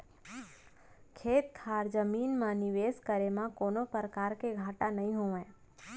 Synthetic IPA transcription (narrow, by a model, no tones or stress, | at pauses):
kʰet̪ʰaɾd͡ʒəminmãniʋeskəɾemãkonopɾəkaɾkeɡʱaʈanəɦĩɦoʋẽ